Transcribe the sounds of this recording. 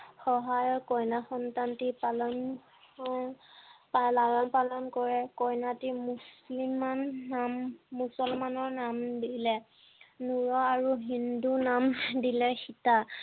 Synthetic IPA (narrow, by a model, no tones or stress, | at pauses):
xɔɦajɔɹkɔjnaxɔntantipalɔn | palaɹɔnpalɔnkɔɹɛkɔjnatimuslimanːamːusɔlmanɔɹnamdilɛ | nuɹɔaɹuɦindunamdilɛxita